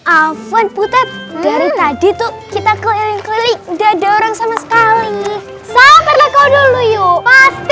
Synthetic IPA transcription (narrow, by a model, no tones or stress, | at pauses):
ʔafanput̪at̪̚daɾit̪adit̪ʊkit̪akəilɪŋkəilɪdadaoɾaŋsamasə̥kali | sapərlakawdulujopast̪